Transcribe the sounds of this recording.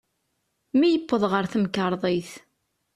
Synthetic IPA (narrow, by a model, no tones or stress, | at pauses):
mijəpːəðˤʁəɾθəmkːəɾˤðˤeθ